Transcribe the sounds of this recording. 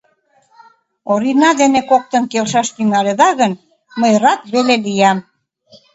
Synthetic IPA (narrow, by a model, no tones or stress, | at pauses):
oɾinɑd̪enekok̚t̪ə̆nkelʃɑʃt̪yŋɑleðɑɣən | məjrɑt̪βelelijɑm